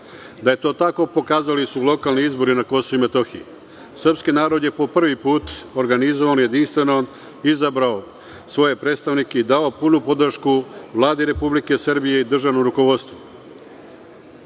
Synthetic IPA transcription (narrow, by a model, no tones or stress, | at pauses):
d̪aje̞t̪o̞ːt̪ako̞po̞kaːzalisulˠo̞kalˠniizbo̞ɾinako̞soumet̪o̞xḭḭ | srpskinaːɾo̞d̪jepo̞pr̩ʋipuːt̪o̞ɾɡanizo̞ʋanje̞d̪inst̪ʋe̞no̞ | izabɾao | sʋo̞je̞pɾe̞ːt̪st̪aʋnike̞id̪ao̞punupo̞d̪rʃkuʋlˠaːd̪eɾe̞publike̞srbije̞id̪r̩ʒaʋnomɾukoʋo̞d̪st̪ʋu